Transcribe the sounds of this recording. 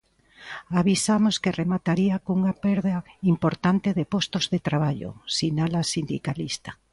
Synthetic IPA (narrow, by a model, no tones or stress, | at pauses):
aβisamoskeremat̪aɾiakuŋapɛɾðaimpoɾt̪ant̪eðepost̪ozðet̪ɾaβaʎo̰sinalasind̪ḭkalist̪ḁ